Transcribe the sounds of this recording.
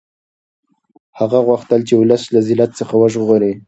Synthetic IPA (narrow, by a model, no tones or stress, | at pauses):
haɣaɣwaxt̪əlt͡ʃeʊlaslazɪlat̪̚t͡səxawəʒoɾi